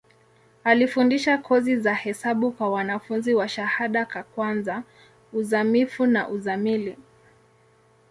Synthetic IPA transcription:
alifundiʃakʰɔzizahɛsaɓukwawanafunziwaʃahaɗakakwanza | uzamifunaʔuzamili

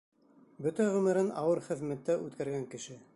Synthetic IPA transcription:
bɵt̪æʁɵ̆mɘ̆ɾɘnɑ̰wɤɾχɘ̆ðmæt̪ːæʔʉt̪kæɾɡæŋkɘ̆ʃɘ

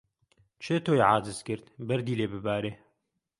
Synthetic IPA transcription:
t͡ʃʰeːt̪ʰoːjʕaːzɨzkɨɾt̪bɐɾd̪iːleːbɨbaːɾeː

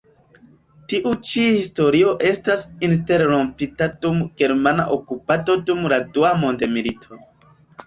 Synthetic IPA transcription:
tiʔut͡ʃihisto̞ɾio̞ʔe̞stasinte̞ɾɾo̞mpitadumɡ̥e̞ɾmana̰ʔokupato̞dumladuamo̞ndemilitʰo̞

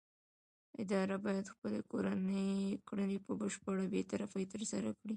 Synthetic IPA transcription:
ɪd̪ɑɾabɑjad̪xpəlekoɾanəjkɽənepəbəʃpəɽabet̪aɾafajt̪əɾsaɾakɽi

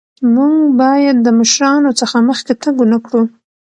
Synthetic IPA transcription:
muŋɡbɑjad̪ːəməʃɾɑnot͡səxaməxket̪əɡonakɽu

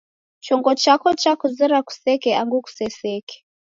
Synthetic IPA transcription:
t͡ʃɔŋɡɔt͡ʃakɔt͡ʃakuzɛɾaku̥sɛkɛaŋɡuku̥sɛsɛkɛ̥

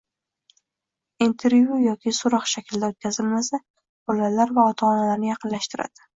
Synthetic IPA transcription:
int̪ʰe̞ɾvjujɒkʲʰɪsʊɾɒqʃakʲʰɪld̪aot̪̚kʲazɪlmasa | b̥ɒlalaɾvaɒt̪ʰɒɒnalaɾnɪjɑqɨnlaʃt̪ɪɾa̰d̪̥ɪ

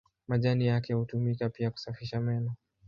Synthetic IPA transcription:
maʄanijakɛhutumikapiaku̥safiʃamɛnɔ

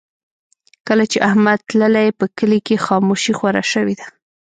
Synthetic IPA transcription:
kəlat͡ʃeʔahmad̪̚t̪ləlajpəkəlikexɑmoʃixwaɾa̰ʃəwid̪a

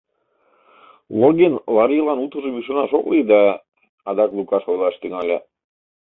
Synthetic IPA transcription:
lˠoɡenlˠɑɾilɑnut̪ə̆ʒeβiʃ̬onɑʃoklid̪ɑ | ɑd̪ɑklˠukɑʃojlˠɑʃt̪yŋɑlʲe

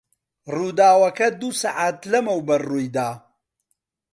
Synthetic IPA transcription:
ruːd̪aːwɐkɐd̪usaʕaːt̪lɐmɐwbɐrːuːjd̪aː

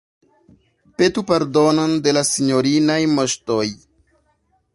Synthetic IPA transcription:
petupaɾdononde̞lasiɲoɾinajmoʃtoj

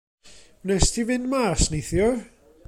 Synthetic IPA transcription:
mnɛstʰivɪnmarsnejθjɔ

